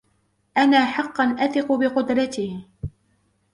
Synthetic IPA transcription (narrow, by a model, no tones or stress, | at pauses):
ʔanaːħɑqːɑnʔaθɪqʊbɪqʊd̪ɾɑt̪iː